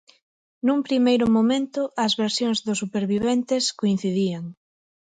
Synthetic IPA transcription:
numpɾimejɾʊmomẽnt̪ʊʔɐzβeɾsjoŋzðʊsupeɾβiβent̪eskoin̟θiðiaŋ

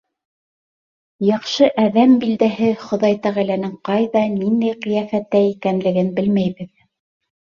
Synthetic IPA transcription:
jɑqʃɤʔæðæmbild̪æɦɘχŏðɑjt̪æʁælænɘŋqɑjðɑnind̪æjqɤ̆jæfæt̪ːæikænlɘ̆ɡɘnbɘlmæjβɘð

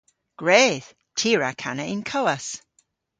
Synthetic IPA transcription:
ɡ̥ɹɛːð̥ | tʰiːɹakʰa̰nəʔɪnkʰowəs

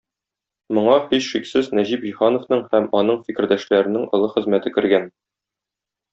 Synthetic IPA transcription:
mŏɴɑhiɕʃiksɘznæʑipiχɑnŏfnɤɴhæmɒnɤɴfikɘ̆ɾd̪æʃlæɾɘ̆nɘŋʔɒ̆lˠɤχɘ̆zmæt̪ɘkɘ̆ɾɡæn

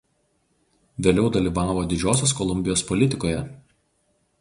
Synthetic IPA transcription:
ʋʲeːlʲɛʊd̪ɐlʲiːʋɑːʋoːd̪ʲɪd͡ʒʲoːsʲoːskɔlˠʊmʲbʲɪjoːspɔlʲɪt̪ʲɪkoːjɛ

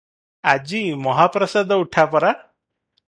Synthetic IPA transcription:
ad͡ʒimɔɦapɾɔsad̪ʱɔuʈʰapɔɾa

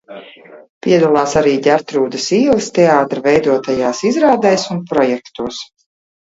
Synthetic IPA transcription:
pʲiɛd̪ulˠaːsaɾiːɟaɾt̪ɾuːd̪ɐsiːlˠist̪ɛaːt̪ɾvɛjd̪uɔt̪ajaːsizɾaːd̪ajsunpɾɔjɛkt̪uɔs

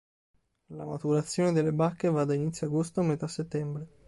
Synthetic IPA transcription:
lamat̪uɾat̪sːjoːned̪elːebakːevad̪ainit̪sːjoaɡost̪oamet̪asːet̪ːɛmbɾe

